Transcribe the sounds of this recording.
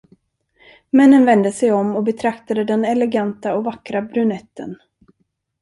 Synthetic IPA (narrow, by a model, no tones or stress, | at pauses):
mɛnːənvɛnd̪əsɛjɔmːɔbɛt̪ʰɾakt̪ad̪əd̪ɛnɛlɛɡant̪aɔvakːɾabɾɵnɛt̪ːə̰n